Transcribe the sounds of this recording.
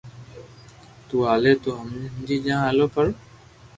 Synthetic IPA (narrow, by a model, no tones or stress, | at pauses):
t̪uːaːleːt̪oːɦəmd͡ʒiːd͡ʒãːaːloːpəɾ